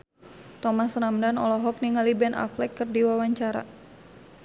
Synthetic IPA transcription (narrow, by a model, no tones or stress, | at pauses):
t̪ɔmasɾamdanɔ̰lɔɦɔk̚niŋalibɛna̰flɛkːɨrdiwawaɲt͡ʃaɾa̰